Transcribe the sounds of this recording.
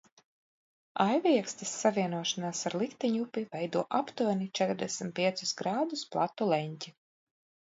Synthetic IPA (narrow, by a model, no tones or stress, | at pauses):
ajviɛkst̪ɛsːaviɛnuɔʃanaːsaɾlˠikt̪ɛɲupivɛjd̪uɔʔapt̪unit͡ʃɛt̪ɾd̪ɛsm̩t̪piɛt̪su̥sɡɾaːd̪usplˠat̪ːulˠɛɲc̪ʲi